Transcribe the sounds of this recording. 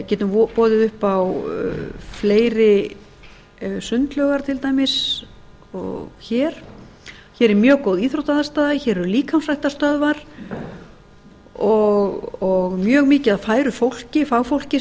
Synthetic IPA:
cɛːt̪ʏmpɔːðɪðʏhpaw | fleːjɾɪ | sʏnt̪lœɣaɾ̥t̪ʰɪlt̪aːjmɪs | ɔ̰ɣçɛːɾ̥ | çɛɾɛɾmjœːkowðiːθɾowht̪aðast̪aːðaçɛːɾɛɾʏliːkʰawmsrajht̪ast̪œðvaɾ̥ | ɔɣɔɣmjœːɣmɪːcɪaðfaːjɾʏfowl̥cɪfaːwfowl̥cɪ

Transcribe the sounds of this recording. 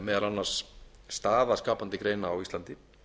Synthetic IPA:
mɛːðalanːar̥sː | t̪aːðaskaːpant̪ɪkɾejnaːwist̪ant̪ɪ

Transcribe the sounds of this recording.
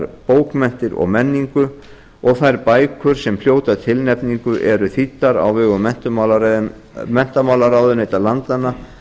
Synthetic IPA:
ɾpoːwkmɛn̥t̪ɪɾɔ̰ɣmɛnːiŋkʏ | ɔɣθajɾpaːjkʰʏɾ̥sɛmfl̥joːwt̪at̪ʰɪlnɛpniŋkʏʔɛɾʏθit̪ːaɾa̰wvɛɣʏmɛn̥t̪ʏal | mɛn̥t̪amawlaɾawðʏnejt̪alant̪anːa

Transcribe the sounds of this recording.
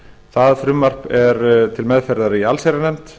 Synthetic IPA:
θaðfɾʏmːar̥pɛɾt̪ʰɪlmɛðfɛɾðaɾɪialsɛɾanɛmt̪

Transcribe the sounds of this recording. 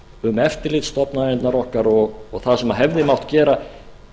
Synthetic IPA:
ʏmɛft̪ɪlɪt̪st̪ɔpnaɛnt̪naɾɔhkaɾɔɣːɣθaðsɛmaɦɛvðɪmawht̪cɛːɾa

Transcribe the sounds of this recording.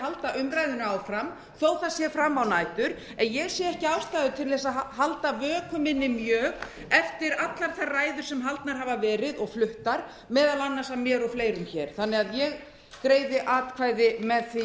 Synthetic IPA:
halt̪aʔʏmɾajðʏnʏaːwfɾam | θowθasjɛfɾamːawnaːjt̪ʏɾ | ɛnjɛɣsjɛɛhcɪaːwst̪ajðʏt̪ʰɪɾlɛs̬aðɦalt̪avœːkʰʏmɪnːɪmjœːɣ | ɛft̪ɪɾat̪laɾ̥θaraːjðʏɾ̥sɛmɦalt̪naɾ̥ɦaːvavɛːɾɪðɔɣflʏht̪aɾ̥ | mɛːðalanːasamːjɛːɾɔfleːjɾʏmçɛːɾ̥θanːɪɣaðjɛɣ | kɾeːjðɪʔaːt̪kʰvaːjðɪmɛðθi

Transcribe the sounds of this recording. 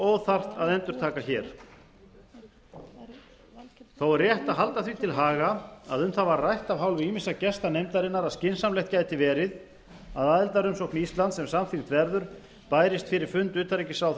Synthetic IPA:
ɔɣθar̥t̪aðɛnt̪ʏɾ̥t̪ʰaːkaçɛːɾ̥ | θawaɾrjɛht̪aðɦalt̪aθvit̪ʰɪlɦaːɣaaðʏmθavarrajht̪avɦawlvɪiːmɪnsacɛst̪anejmt̪aɾɪnːaɾaðscɪnsamlɛjht̪caːjt̪ɪvɛːɾɪð | aðaːðɪlt̪aɾʏmsɔhknist̪lant̪sɛmsamθint̪vɛɾðʏɾ̥ | paːjɾɪst̪fɪɾɪɾ̥fʏnt̪ʏːt̪aɾɛjcɪsaw

